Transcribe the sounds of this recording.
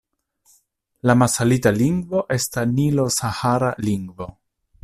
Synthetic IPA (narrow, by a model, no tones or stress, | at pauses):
lamasalitaliŋɡvo̞ʔe̞stanilo̞sahaɾaliŋɡvo̞